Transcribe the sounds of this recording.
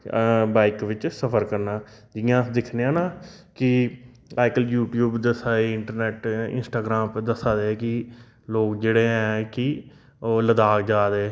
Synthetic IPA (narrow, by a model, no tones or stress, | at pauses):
baːɪkʋɪt͡ʃsəpʰəɾkəɾnaː | d͡ʒɪjãːd̪ɪkʰneːãːnãː | kɪ | aːɪkəljuːʈjuːbd̪əsaːeːɪ̃ɳʈəɾnɛːʈɪ̰nsʈaːɡɾaːmpd̪əsaːd̪eːkɪ | loːkd͡ʒeːɽeːɦɛ̃ːkɪ | oːləd̪aːkd͡ʒaːd̪eː